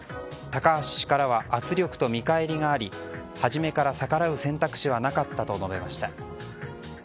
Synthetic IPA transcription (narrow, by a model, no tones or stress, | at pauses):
t̪akaːɕɕi̥kaɾaβaʔat͡sɨɾʲo̞kɯ̟̥t̪o̞mʲikae̞ɾʲiŋaːɾʲihaʑime̞kaɾasakaɾaɯ̟sẽ̞nt̪akɯ̟̥ɕiβanakat̪ːat̪o̞no̞be̞maɕi̥t̪a